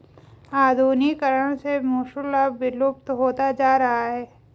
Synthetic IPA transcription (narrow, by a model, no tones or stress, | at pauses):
aːd̪ʱuːnikəɾəɽ̃semuːʃʊlabʋɪlʊp̚t̪ɦoːt̪ad͡ʒaːɾɐɦaɦɛː